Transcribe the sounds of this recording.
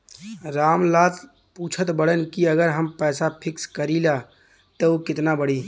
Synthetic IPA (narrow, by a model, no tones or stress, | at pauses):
ɾaːmlaːt̪ | puːt͡ʃʰət̪bəɽənkiəɡəɾɦəmpɛːsapʰɪkskəɾila | t̪ookɪt̪nabəɽiː